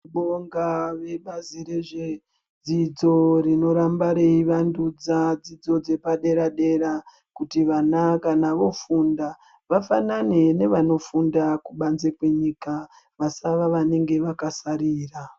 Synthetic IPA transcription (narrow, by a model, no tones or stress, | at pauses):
ɓoŋɡaʋe̞ɓaziɾeʐe | d͡zid͡zo̞rino̞ɾambaɾe̞iʋandud͡zad͡zid͡zo̞d͡ze̞paɗe̞ɾaɗe̞ɾa | kutiʋanakanaʋo̞funda | ʋafanane̞ne̞ʋano̞fundakuɓanzekwe̞ɲika | ʋasaʋaʋane̞ŋɡe̞ʋakasaɾiːra